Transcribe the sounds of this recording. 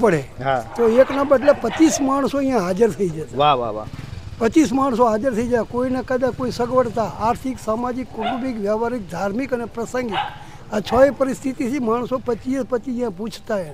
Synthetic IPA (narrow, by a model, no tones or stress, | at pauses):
pəɽeɦat̪oeknabəɖlapət͡ʃismaɳ̃soĩjãɦad͡ʒəɾt̪ʰəid͡ʒat̪aaʋa̰ʋa̰pət͡ʃis̬maɳ̃s̬oɦad͡ʒəɾt̪ʰəid͡ʒakoinekəd̪ãkːoisəɡʋəʈt̪aaːɾt̪ʰiksamad͡ʒikːʊʈubikʋjaʋaɾik̚d̪ʱaɾmikənepɾəsə̃ŋɡi | at͡ʃʰəepəɾɪst̪ʰit̪isʰimaɳ̃sopət͡ʃispət͡ʃiĩjãpũt͡ʃʰt̪ae